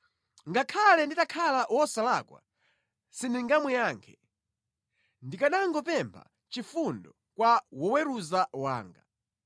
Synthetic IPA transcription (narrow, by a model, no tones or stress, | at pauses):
ŋɡakʰalɛnditakʰalawɔsalakwa̰ | siniŋɡamwɛjaːŋkʰɛ | ndikaɗaŋɡɔpɛmpʰa̰ | t͡ʃifundɔ | kwawɔwɛɾuzawa̰ːŋɡa̰